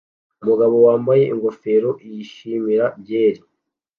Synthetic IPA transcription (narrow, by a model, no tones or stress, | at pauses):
umuɡaβo̞waːmbaje̞ʔiŋɡo̞fe̞ɾo̞ʔijiʃimiɾabje̞ːɾi